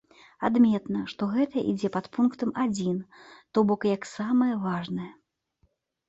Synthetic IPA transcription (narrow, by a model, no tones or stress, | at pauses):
ad̪mʲɛt̪nɐʂt̪ɔɣɛt̪ɐʔḭd͡zʲɛpat̪punkt̪ɐmad͡zʲint̪ɔbɔkjɐksamɐjɐvaʐnɐjɐ